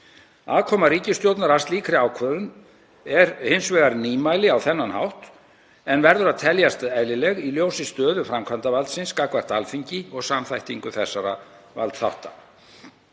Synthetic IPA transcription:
aːðkʰɔːmaɾiːcɪst̪jowt̪naɾast̪liːkɾɪaːwkʰvœːðʏn | ɛɾhɪnsvɛːɣaɾniːmajlɪawθɛnːanhawht̪ | ɛnvɛɾðʏɾaðt̪ʰɛljast̪ɛðlɪlɛɣiljoːwsɪst̪œːðʏfɾamkʰvant̪avalt̪sɪnskakvar̥t̪alfiɲcɪɔɣsamθajht̪iŋkʏθɛsːaɾa̰ | va̰lt̪θa̰wht̪a̰

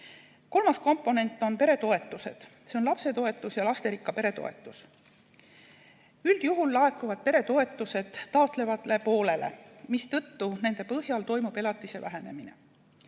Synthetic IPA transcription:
ko̞lmɑsko̞mpːˑo̞ne̞nt̪ˑːo̞npe̞ɾe̞t̪o̞e̞t̪ːˑuse̞̰d̪̥se̞onlɑpse̞t̪o̞e̞t̪ːˑusjɑlɑst̪e̞ɾikːˑɑpe̞ɾe̞t̪o̞̰e̞̰t̪ːˑus | yld̪̥juɦulːɑe̞kuvɑd̪̥̚pe̞ɾe̞t̪o̞e̞t̪ːˑuse̞d̪̥ːɑot̪ˑle̞vɑlepo̞ːle̞lʔe̞̰mist̪ɤt̪ːune̞nd̪̥e̞pɤɦjɑlt̪o̞jmub̥e̞lɑt̪ˑːise̞væɦe̞ne̞̰mine̞̰

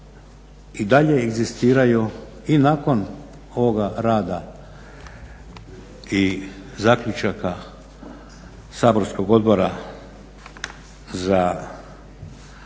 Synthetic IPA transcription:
id̪aʎe̞ːɡzist̪iːɾaju | inaːko̞n | o̞ʋoɡaɾaːd̪a | izakʎut͡ʃaka | saːbo̞ɾsko̞ɡo̞d̪bo̞ɾa | za

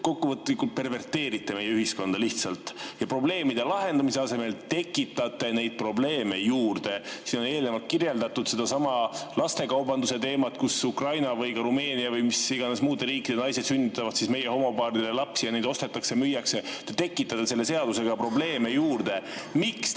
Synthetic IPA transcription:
ko̞kːuvɤt̪ːlikːult̪̚pe̞rve̞rt̪ːe̞ːɾit̪ːe̞me̞jːeyhisko̞nd̪̥ɑliht̪sɑlt̪jɑpro̞ble̞ːmid̪̥e̞lɑɦe̞nd̪ɑmise̞ɑse̞me̞lt̪e̞kːˑit̪ːˑɑt̪ːˑe̞ne̞jd̪̥̚pro̞ble̞ːme̞juːrd̪̥e̞siːnoe̞ːlinemɑlt̪̚kirje̞ld̪ɑt̪ːud̪̥se̞d̪ɑsɑmɑlɑst̪e̞kɑwbɑnd̪use̞t̪e̞ːmɑt̪̚kusukrɑjnɑvɯjkɑɾume̞ːniɑvɯjmisiɡ̥ɑnesmuːd̪̥eɾiːkːˑid̥̪e̞nɑjse̞d̪synʲːit̪ːˑɑvɑd̪̥sisme̞jeho̞mopɑːɾid̪elelɑpsijɑne̞jd̪o̞st̪e̞t̪ːˑɑksemyjːɑkse̞t̪et̪e̞kːˑit̪ːɑt̪ˑːese̞lːe̞se̞ɑd̪̥use̞ɡ̥ɑpro̞ble̞ːme̞juːrd̪̥e̞miks

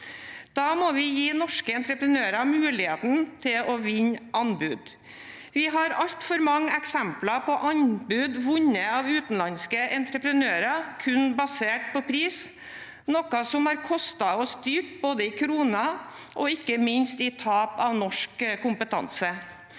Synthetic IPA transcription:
d̪̥ɑːmɔʋɪjiːnɔʂkəɛnt̪ɾəpɾənøːɾɑmʉːlɪheːt̪n̩t̪ʰɪlɔʋɪɲʔɑnbʉːd̪ | ʋɪɦɑɾɑʎt̪fɔɾmɑŋːəɛksɛmplɑpʰɔʔɑnbʉːd̪ʋʊɲəɑʋʉːt̪n̩lɑnskəʔɛnt̪ɾəpɾənøːɾɑkʰʉnbɑseːʈ̚pʰɔpʰɾiːs | nɔkɑsɔmhɑɾkʰɔst̪ɑɔsd̪yːʈ̚boːd̪əɪkʰɾuːnɑʔɔɪkːəmɪnst̪ɪt̪ʰɑːpɑʋnɔʂkkʊmpət̪ʰɑ̰nsə

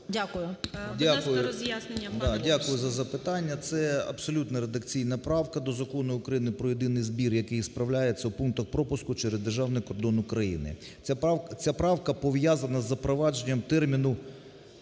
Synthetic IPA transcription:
dʲakʊjʊdʲakʊjʊjasnʲɐd̪ɑdʲakʊjʊzɐzɐpɪt̪ɑnʲːɐt̪sɛɐ̰bsɔlʲut̪nɛɾed̪ɐkt͡sʲijnɐpɾɑwkɐd̪ɔzɐkɔnʊʊkɾɐjinɪpɾɔjed̪ɪnɪjzbʲirjɐkɪjspɾɐwlʲajet͡sʲːɐwpunk̚t̪ɐxpɾɔpʊskʊt͡ʃɛɾezd̪erʒɑwnɪjkɔrd̪ɔnʊkɾɐjḭnɪ̰ | t͡sʲapɾɑwkɐpɔʋjazɐnɐzːɐpɾɔʋɑd͡ʒenʲːɐmt̪ɛrmʲinʊ

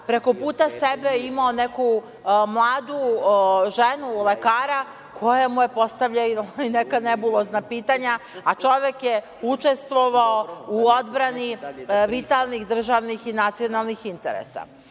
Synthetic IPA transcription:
pɾe̞ko̞puːt̪asebejeimaoneku | mlˠaːd̪uʒenule̞kaːɾa | kʰo̞jamuje̞po̞st̪aʋʎainekanebulˠoznapiːt̪aɲaat͡ʃo̞ʋjekje | ut͡ʃe̞st̪ʋo̞ʋaouod̪bɾaniʋit̪alˠnixd̪r̩ʒaʋnixinat̪sijo̞nalˠnixint̪ḛɾḛsa̰

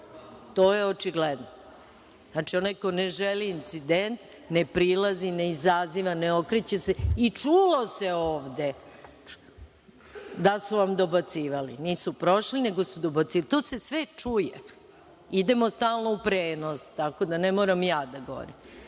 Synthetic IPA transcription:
t̪oːjeot͡ʂiɡled̪no | znat͡ʃio̞najko̞neʒeliːnt̪sid̪ent̪ | ne̞pɾilazineizaziʋaneo̞kɾet͡ɕeseit͡ʂuːlo̞seoːʋd̪e̞ | d̪asuʋamd̪o̞bat̪siːʋalḭniːsupɾo̞ʃline̞ɡo̞sud̪obat̪sit̪oːse̞sʋe̞t͡ʂuje | id̪e̞most̪aːlˠnoupɾeːnost̪ako̞d̪anemo̞ːɾamjaːd̪aɡo̰ɾim

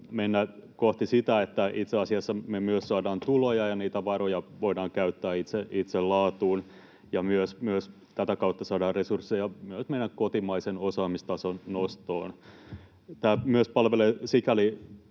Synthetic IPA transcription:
menːækoht̪isit̪æet̪ːæit̪seɑsiɑsːɑmemyøssɑːdɑːnt̪ulojɑjɑniːt̪æʋɑɾojɑʋoidɑːŋkæyt̪ːæːit̪seʔit̪sellɑːt̪uːn | jɑmyøsmyøs | t̪æt̪ækɑut̪ːɑsɑːdɑːrresursːejɑmyøsmenːækkot̪imɑisenosɑːmist̪ɑsonnost̪o̰ːn | t̪æːmyøspɑlʋelesikæli

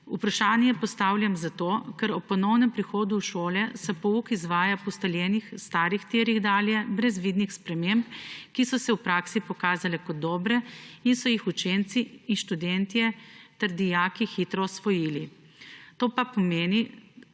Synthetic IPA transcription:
upɾaʃaːnjɛpɔst̪aːwlʲjamzat̪oːkɛɾɔpːɔnɔwnɛmpɾixoːd̪uːʃoːlɛsɛpɔukizʋaːjapɔst̪aljɛːnixst̪aːɾixt̪eːɾiɣd̪aːljɛbɾɛzʋiːd̪nixspɾɛmempkisɔsɛwpɾaːksipɔkaːzalɛkɔd̪̚d̪ːɔːbɾɛinsɔjixut͡ʃent̪siinʃt̪ud̪ɛnt̪ijɛt̪ɛɾd̪ijaːkixiːt̪ɾɔsʋɔjiːli | t̪oːpapɔmeːni

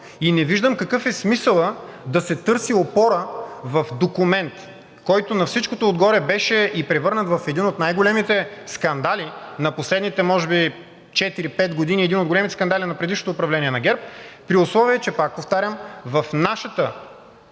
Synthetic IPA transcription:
inɛviʒd̪əmkɐkɤfɛsmisəlˠəd̪ɐsɛt̪ɤɾsiopɔɾəvɐfd̪okumɛnt̪ | kɔjt̪onɐfsit͡ʃkot̪oːd̪ɡɔɾɛbɛʃɛipɾɛvɤɾnət̪vɐfɛd̪inot̪najɡolɛmit̪ɛskɐnd̪alinɐposlɛd̪nit̪ɛmɔʒɛbi | t͡ʃɛt̪iɾipɛt̪ɡod̪iniɛd̪inot̪ɡolɛmit̪ɛ̥skɐnd̪alʲinɐpɾɛd̪iʃnot̪oːpɾɐvlɛnʲiɛnɐɡʲɛɾp̚pɾiʊslˠɔviəɛt͡ʃɛpak̚poft̪aɾʲəmvɐfnaʃət̪ə

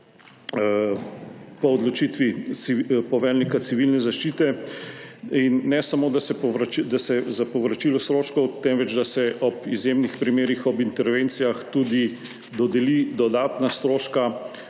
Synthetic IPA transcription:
pɔːd̪lɔt͡ʃit̪ʋiipɔʋɛɾnikat̪siʋilnɛzaʃt͡ʃiːt̪ɛ | inːɛsamoːd̪asɛpɔʋɾat͡ʃd̪asɛzapɔʋɾat͡ʃilɔst̪ɾoːʃkɔwt̪ɛnʋɛd͡ʒd̪asɛʔɔpizjemnixpɾimeːɾixɔbint̪ɛɾʋent̪sijaxt̪ud̪i | d̪ɔd̪ɛlid̪ɔd̪aːt̪nast̪ɾoːʃka

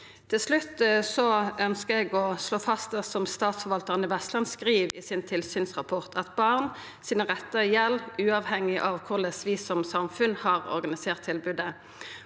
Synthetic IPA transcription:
t̪ʰɪlslʉt̪ːsɔœnskəɛɡɔsloːfɑst̪əsɔmst̪ɑːt̪sfɔʁʋɑlt̪əʁənɪʋɛst̪lɑnskʁiːʋiːsɪnt̪ʰɪlsyːnsʁɑpʰɔʁt̪ʰɑt̪bɑʁn | siːnəʁɛt̪ːəjɛlːʔʉːɑːʋhɛŋːɪʔɑʋkʰʊʁlɛsʋiːsɔmsɑmfʉnhɑːʁɔ̰ʁɡɑnɪseːʁt̪ʰːɪlbʉd̪ə

